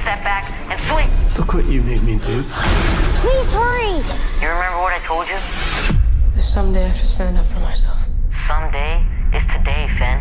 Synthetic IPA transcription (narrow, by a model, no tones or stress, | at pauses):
stɛp̚b̥æk | ɨ̃nswiplʊkwʌt͡ʃɨmeɪd̚midʰʉ | pʰl̥iz̥hɜɹijɨɹɨmɛ̃mbə˞wʌɾaɪtʰoʊlˠd͡ʒɨ | ðɨ̥sʌ̃mdeɪaɪʃʌ̥stæ̃ndʌpfɹʌ̃mːaɪsɛlˠfsʌ̃mdeɪʔɨz̥tʰɨdeɪfɛ̃n